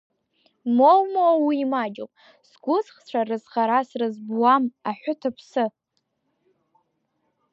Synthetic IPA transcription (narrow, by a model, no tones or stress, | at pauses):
molmowawiːmad͡ʒo̰pʼ | sɡʷʊzχt͡ʃʷʰarɨzχaɾasrɨzbwamaħʷᶣʊtʰapʰsɨ